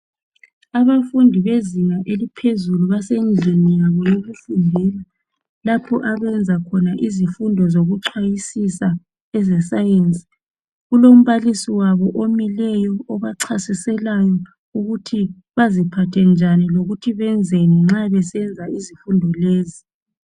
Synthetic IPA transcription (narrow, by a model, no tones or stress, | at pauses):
aβafundʱiβeziŋaʔelipʰezuluβasend͡ɮʱenijaβɔjoɣufundʱɛla | lapʰɔʔaβɛnd͡zʱakʰɔnaʔizifundʱɔzoɣuǀʰajisisa | ɛzɛsajent͡sʼi̥ | ɣulom̩βalisiwaβɔʔomilɛjɔːβaǀʰasisɛlajɔ | uɣutʰi | βazipʰatʰɛnd͡ʒʱaniloɣutʰiβɛnd͡zʱɛnɛŋ͡ǁaβɛsɛnd͡zʱaʔizifundʱɔleːzi